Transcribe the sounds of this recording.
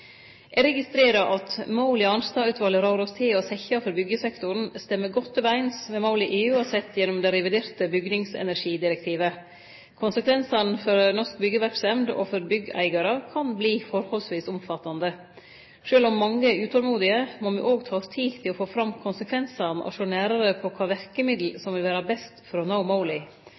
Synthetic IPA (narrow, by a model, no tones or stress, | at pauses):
ʔɛɾɛɡɪst̪ɾeːɾɑʔɑt̪mɑʊlɪɑnst̪ɑʉt̪ʋɑləɾɑːɾɔst̪ʰeːɔsɛçɑfɔɾbʏɡəsɛkt̪ʊɾn̩st̪ɛmːəɡɔt̪ːøːʋəɾæɪnsʋɛmɑʊlɪʔeːʉːɑsɛt̪ːjɛnʊmd̪ɛɾɛʋɪd̪eːɾt̪əbʏɡnɪŋsɛ̰næɾʂiːd̪ɪɾɛk̚t̪ʰiːʋə | kʰʊnsəkʰʋɛnsɑnfɔɾnɔʂk̚bʏɡəʋæɾksɛmd̪ɔ̰fɔɾbʏɡæ̰ɪɡɑɾəkʰɑnbliːfɔɾhɔlsʋiːsʊmfɑt̪ːɑnd̪ə | ʂøːlʊmːɑŋːəʉːt̪ʰɔlmuːd̪ɪəmomɪʔoːɡt̪ʰɑːst̪ʰiːt̪ʰɪlɔfoːfɾɑmkʰʊnsəkʰʋɛnsɑnʔɔ̰ʂoːnæːɾɑɾəpʰɔkʰɑːʋæɾkəmɪd̪l̩sɔmʋɪlʋæːɾɑbɛst̪fɾoːnaʊmaʊlɪ